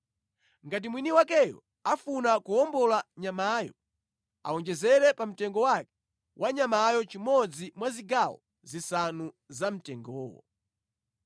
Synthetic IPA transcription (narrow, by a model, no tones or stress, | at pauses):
ŋɡat̬imwiniwakɛjɔ̰ | afunakuɔmbɔlaɲamaːjɔ̰ | a̰wɔnd͡ʒɛzɛɾɛpam̩tɛŋɡɔwakɛ̥ | wʔaɲamajɔt͡ʃimɔd͡zimwaziɡawɔ | zisanu | zam̩tɛŋɡɔːwɔ̰